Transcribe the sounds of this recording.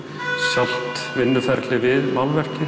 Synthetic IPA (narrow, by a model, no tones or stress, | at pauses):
sjal̥t̪vɪnːʏfɛɾt̪lɪvɪðmalvɛr̥cɪ